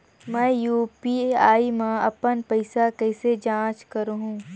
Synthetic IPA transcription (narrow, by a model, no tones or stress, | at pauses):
mɛ̃ːjuːpiaːimãɐpənpɐɪsakɛɪsed͡ʒãːt͡ʃkɐɾɦũː